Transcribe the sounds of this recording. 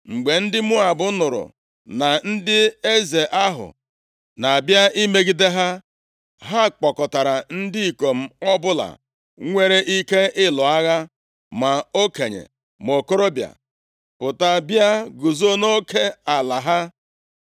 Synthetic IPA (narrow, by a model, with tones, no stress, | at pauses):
ŋ͡m̩˨ɡ͡be˨n̩˦dɪ˦mʊ˦a˨bʊ˦nʊ˨ɾʊ̰˨ | na˨n̩˦dɪ˦e˦ze˨ʔa˦ɦʊ̰˨ | na˨bja˦ʔi˦me˦ɡi˦de˦ɦa˦ | ɦa˦k͡pɔ˨kɔ˨ta˨ɾa˨n̩˦dɪ˦i˨ko˨m̩˦ɔ˦bʊ˦la̰˨ | ŋʷe˦ɾe˦ʔi˦ke˦ʔɪ˦lɔ˨a˦ɣa˦ | ma˨o˦ke˨ɲḛ˨ | m˨o˨ko˦ɾo˦bja̰˨ | pʊ˨ta˦bja˦ɡʊ˨zo˦no˦kʰe˦a˨la˨ɦa˦